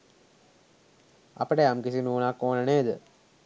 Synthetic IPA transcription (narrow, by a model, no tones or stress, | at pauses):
ɐ̰pɐʈeɐmkisinuːnakːoːnɐneːd̪ə